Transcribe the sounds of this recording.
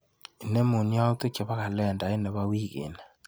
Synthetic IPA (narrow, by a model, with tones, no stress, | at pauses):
i˨nɛ˦mo˨nja˦u˦t̪o˦kɛ˨βa˦ka˨lɛ˦˨nda˨e˦nɛ˨βa˦wi˦ɣḛ˨na˨